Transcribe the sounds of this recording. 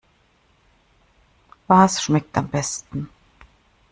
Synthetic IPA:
vaːsʃmɛk̚tʰambɛstn̩

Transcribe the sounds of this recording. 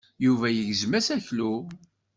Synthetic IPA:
juvæjəʝzmæsæçlu

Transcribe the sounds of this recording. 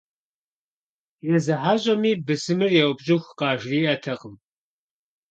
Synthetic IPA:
jɛzɨħaːʑʼɐmiːbɨsɨmɨrjɛwbʑɪxʷqɑːʒriːʔɐtʰɐqəm

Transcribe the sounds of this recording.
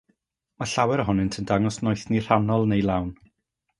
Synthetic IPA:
maɬawɛɾəɦɔnɨntʰəndaŋɔsnɔjθnir̥anɔlˠnejlˠawn

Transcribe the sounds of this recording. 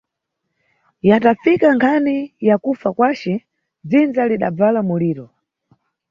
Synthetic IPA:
jatafikaŋkʰanijakufakwat͡ʃɛ | d͡zind͡zaliɗa̰b͡valamuliːɾɔ

